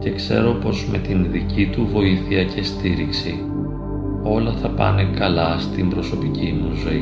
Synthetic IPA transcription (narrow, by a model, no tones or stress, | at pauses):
ce̞kse̞̰ɾo̞po̞zme̞t̪inðicit̪uvo̞iθiɐce̞st̪iɾiksi | o̞lɐθɐpɐ̰nekɐlɐst̪imbɾo̞so̞picimuzo̞i